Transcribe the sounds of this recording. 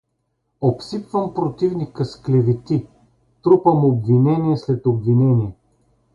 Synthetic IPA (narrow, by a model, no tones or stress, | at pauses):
opsipvəmpɾot̪ivnikəsklɛvit̪i | t̪ɾupəmobvinɛniɛslɛt̪obvinɛniɛ